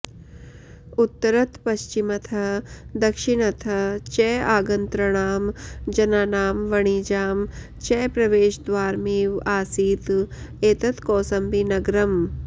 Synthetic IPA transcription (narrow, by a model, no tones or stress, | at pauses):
ut̪ːɐɾɐt̪pɐʃt͡ʃimɐt̪ʰɐd̪ɐkʃiɳ̃ɐt̪ʰɐt͡ʃɛːaːɡɐnt̪ɾɐɳ̃aːmd͡ʒɐnaːnaːmʋɐɳ̃iːd͡ʒaːm | t͡ʃɛːpɾɐʋeːʃd̪ʋaːɾmiːʋaːsiːt̪ | eːt̪ɐt̪koːsɐmbinɐɡɾɐm